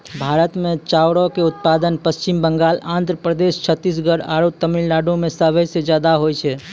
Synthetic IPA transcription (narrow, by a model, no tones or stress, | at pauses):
bʱaɾət̪met͡ʃawɽɔkeut̪̚pad̪ənpəst͡ʃimbəŋɡalãnd̪ʱɾəpɾəd̪est͡ʃʰət̪ːis̬ɡəɽa̰ɾot̪əmillaɖõmesəbəsed͡ʒjad̪aɦojt͡ʃʰɛ